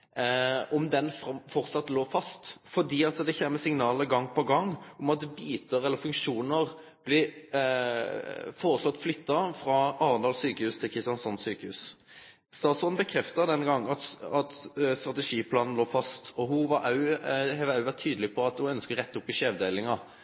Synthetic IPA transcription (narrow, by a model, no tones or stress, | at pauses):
ɔmd̪ɛnfʁɑfɔɾt̪sɑt̪ːloːfɑst̪fɔd̪iːɑt̪d̪ɛçɛːməsɪŋnɑːləɡɑŋːpʰɔɡɑŋːɔmɑt̪̚d̪ɛbiːt̪əɾɛlːəɾfʉŋkʂuːnəʁ | b̥lɪ | foːʁəsɔt̪ːflʏt̪ːɑfʁɑːɑːɾənd̪ɑlsyːkəhʉːst̪ʰɪlkʰɾɪst̪jɑnsɔnsyːkəhʉ̰ːs | st̪ɑːt̪sɔn̩bəkʰɾɛft̪əd̪ɛnɡɑŋːɑɑt̪st̪ʁɑt̪ɛʂiːpʰlɑːnn̩loːfɑst̪ɔɦʊʋɑʔɑʉhɛʋœʉʋæt̪ʰːyːd̪lɪpʰɔɑt̪hʊœnskəʁɛt̪ːʊpːɪʂeːʋd̪eːlɪŋɑ